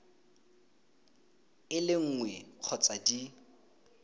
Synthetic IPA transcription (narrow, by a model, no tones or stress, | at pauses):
ɪlɪŋ̩ːŋwɛq͡χʰɔt͡sʼadi